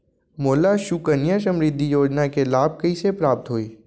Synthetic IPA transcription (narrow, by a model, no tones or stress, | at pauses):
moːlaʃukənjasɐ̃mɾid̪ʱːijoːd͡ʒnakelaːb̚kɐisepɾaːp̚t̪ɦoːiː